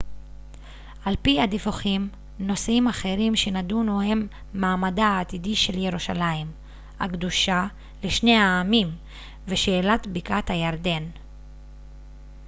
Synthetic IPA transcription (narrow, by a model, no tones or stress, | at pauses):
ʔalpihad̪ifuχim | no̞simaχe̞ʁimʃenadunuhe̞mː | aːmadaːt̪idiʃe̞ljeʁuʃalaim | a̰kd̪uʃa | leʃne̞jaːmim | veʃeːlat̪bikathajaʁd̪e̞n